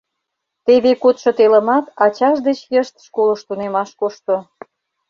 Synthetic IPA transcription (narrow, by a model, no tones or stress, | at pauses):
t̪eβekot̪ʃŏt̪elə̆mɑt̪ɑt͡ɕɑʃd̪et͡ɕjəʃt̪ʃkoləʃt̪unemɑʃkoʃt̪o